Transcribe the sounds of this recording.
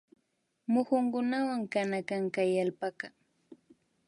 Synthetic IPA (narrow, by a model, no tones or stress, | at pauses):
mʊxʊŋkʊnawaŋkanakaŋkajalpaka